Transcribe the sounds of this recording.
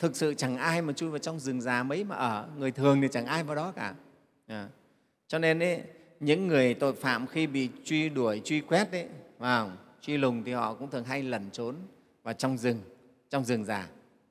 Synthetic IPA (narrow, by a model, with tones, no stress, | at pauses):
t̪ʰɨ˨˩k̚sɨ̰˧˨t͡ɕa˧˩ŋʔaː˧jmaː˨˩t͡ɕu˧jvaː˨˩wt͡ɕɔ˧wŋ͡mzɨ˨˩ŋzaː˨˩mə˨˦jmaː˨˩ʔəː˧˩ŋɨ˨˩əjt̪ʰɨ˨˩əŋt̪i˨˩t͡ɕa˧˩ŋʔaː˧jvaː˨˩wɗɔ˨˦kaː˧˩ | ʔəː˨˩ | t͡ɕɔ˧ne˧nʔə˨˦ | ɲɨ̰˧˥ŋːɨ˨˩əjt̪o̰˧˨jfa̰ː˧˨mxi˧ɓḭ˧˨t͡ɕwi˧ɗu˧˩əjt͡ɕwi˧kwɛ˦˥t̚ʔə˨˦vaː˨˩ŋ͡mt͡ɕwi˧lʊ˨˩ŋ͡mt̪ʰi˨˩hɔ̰˧˨kʊ̰˧˥ŋ͡mt̪ɨ˨˩əŋɦa˧jlə˨˩nt͡ɕo˨˦n | vaː˨˩t͡ɕɔ˧wŋ͡mzɨ˨˩ŋ | t͡ɕɔ˧wŋ͡mzɨ˨˩ŋzaː˨˩